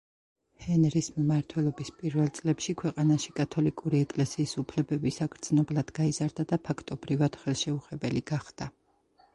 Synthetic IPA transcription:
hɛnɾismmaɾt̪ʰwɛlˠɔbispʼiɾvɛlˠt̪sʼlɛpʃikʰwɛqʼanaʃikʼat̪ʰɔlikʼuɾiɛkʼlɛsiːsupʰlɛbɛbisaɡɾt̪snɔblˠad̪̥ɡaizaɾd̪ad̪apʰakʰt̪ʼɔbɾivad̪̥χɛlˠʃɛuχɛbɛliɡaχd̪̥a

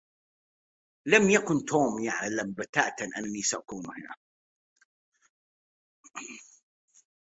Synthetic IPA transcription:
lamjakʊnt̪oːmjaʕlambat̪aʔt̪anʔa̰nːisaʔakuːnhɪna̰

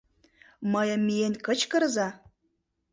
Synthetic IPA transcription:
məjə̆mːienkə̆t͡ɕkəɾzɑ

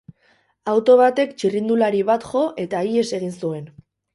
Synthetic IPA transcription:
awt̪o̞β̞at̪e̞kt͡ʃirind̪ulaɾiβat̪ʝo̞ʔe̞t̪aie̞se̞ɣ̞insue̞n

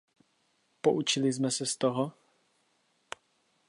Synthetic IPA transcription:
poʔut͡ʃɪlɪzmɛsɛst̪oɦo

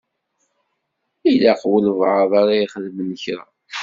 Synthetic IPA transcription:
ilaqwələvʕəðˤɑɾaiχəðəmənəçɾa̰

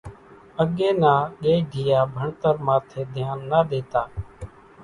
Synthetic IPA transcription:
əɠeːnãːɠeːiɖʱiːjaːbʱəɳt̪əɾmãːt̪ʰeːd̪ʱɪjaːnːaːɗ̪eːt̪aː

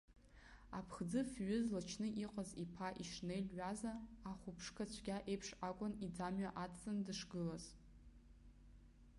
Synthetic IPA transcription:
a̰pʰχd͡zɨfɥʏzlat͡ʃʰnɨʔiqʼazipʰaʔiʂnejlɥazaːχʷupʰʂkʰat͡ɕʷʰɡʲaʔejpʰʂakʷʼʊnid͡zamɥaʔat͡sɨndɨʂɡɨlaz

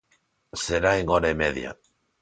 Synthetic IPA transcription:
seɾaeŋoɾaemeðja̰

